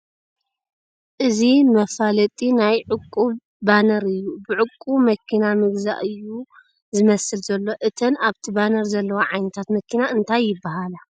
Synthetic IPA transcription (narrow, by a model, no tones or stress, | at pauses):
ʔɨzimɐfalɐt̪ʼinajʕɨkʼːuβ | banɐɾɨjːubɨʕʊkʼːumɐkʰːinamɨɡza̰ʔɨjːu | zɨmɐsɨlzɐlːo̞ʔɨt̪ʰɐnaβt̪ʰibanɐɾzɐlːɐwoʕajnɐt̪ʰat̪mɐkʰːinaɨnt̪ʰajːɪbːaɦala